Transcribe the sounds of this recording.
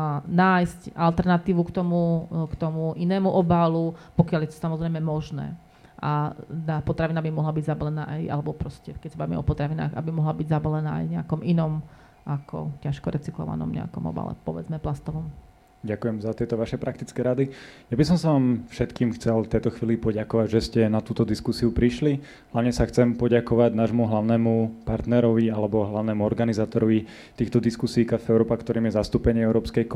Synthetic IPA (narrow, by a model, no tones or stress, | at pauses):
naːjscalt̪ɛɾnat̪iːʋukt̪ɔmukt̪ɔmuʔinɛːmuʔɔbalupɔkɪaljɛt̪ɔ̥samɔzɾɛjmɛmɔʒnɛ̰ː | ʔa̰t̪aːpɔt̪ɾaʋinabimɔɦlabiɟzabalɛna̰ːʔaja̰lɛbɔpɾɔscɛkɛcsabaʋimɛ̰ɔpɔt̪ɾaʋina̰ːɣa̰bimɔɦlabiɟzabalɛnaːa̰jɲɛakɔminɔm | ʔakʰɔ̰caʃkɔɾʔɛt͡siklɔ̰ʋa̰nɔ̰mɲɛ̰a̰kɔmɔ̰ba̰lɛ̰pɔʋɛd͡zmɛplast̪ɔʋɔm | ɟakujɛmzat̪ɪɛt̪ɔʋaʃɛpɾak̚t̪it͡skɛːɾad̪ijabis̬ɔmsaʋaːmfʃɛt̪kiːmxt͡sɛlt̪ɛjt̪ɔxʋiːlipɔɟakɔʋaɟʒɛscɛnat̪uːt̪ɔd̪iskusiupɾiʃli | ɦlaʊɲɛsaxt͡sɛmpɔɟakɔʋaɟnaːʒmuɦlaʊnɛːmupaɾt̪nɛɾɔʋialɛbɔɦlaʊnɛːmuɔɾɡanizaːt̪ɔɾɔʋi | t̪iːxt̪ɔd̪iskusiːkafɛʊɾɔːpakt̪ɔɾiːmjɛzast̪uːpɛɲɪɛɛʊɾɔːpskɛjk